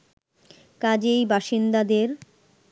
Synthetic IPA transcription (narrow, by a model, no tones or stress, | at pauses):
kad͡ʑejbaʃind̪ad̪eɾ